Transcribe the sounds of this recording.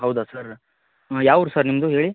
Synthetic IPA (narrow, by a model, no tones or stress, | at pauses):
ɦɐwd̪asɐɾ | jaːʋɾusɐɾnimd̪uɦeːɭi